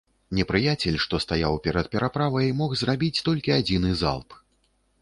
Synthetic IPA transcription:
nʲɛpɾɨjat͡sʲɛlʲʂt̪ɔst̪ajawpʲɛɾɐt̪̚pʲɛɾapɾavɐjmɔxzrabʲit͡sʲt̪ɔlʲkʲiad͡zʲinɨza̰lˠp

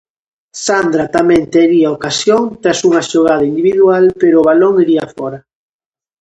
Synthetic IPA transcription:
sand̪ɾat̪amɛ̃nt̪eɾiaokasjoŋt̪ɾasuŋɐʃoɣ̞að̞ɐind̪iβiðualpeɾoːβaloŋiɾiaafɔɾɐ

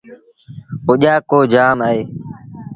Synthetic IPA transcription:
ʊʄaːkoːd͡ʒaːmaːɦeː

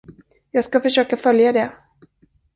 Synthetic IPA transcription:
jɑːɡskafœʂøːkafœljad̪ɛ

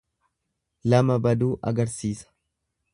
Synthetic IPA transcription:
lɐmɐbɐd̪uːʔɐ̰ɡɐɾsiːsɐ̥

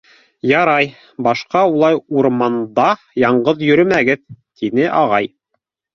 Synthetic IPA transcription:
jɑɾɑj | bɑʃqɑulˠɑjuɾmɑnd̪ɑ | jɑɴɢɤðjɵ̆ɾɵmæɡɘðt̪inɘʔɑʁɑj

